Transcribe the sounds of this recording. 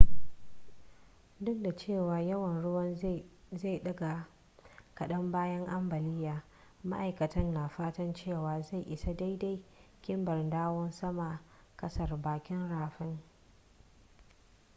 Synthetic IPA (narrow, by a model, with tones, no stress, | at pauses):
dʊ˦kda˨t͡ʃeː˦˨waː˨jɐ˦wɐ˨nɽʊ˦wɐ˦n | za˦˨ɗɐ˦ɡa˨ | kɐ˨ɗɐ˦mbaː˦jɐ˦ŋʔa˦mbɐ˨lɪ˦jːaː˨ | ma̰˦ʔa˨jkɐ˨tɐ˦nːaː˨ɸaː˦tɐ˦nt͡ʃeː˦˨waː˨za˦˨jʔɪ˨sa˦da˦jda˦jkʲɪ˦mbɐ˨rdaː˦wɔ˦nsɐ˦ma˨kɐ˦sɐ˨rbaː˨kʲɪ˦nɽaː˨ɸɪ˦ŋ